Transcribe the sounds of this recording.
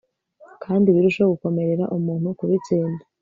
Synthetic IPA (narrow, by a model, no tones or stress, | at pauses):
kʰaːndiβiɾuʃoɡuko̞me̞ɾe̞ɾaʔumuːn̥hukuβit͡siːnda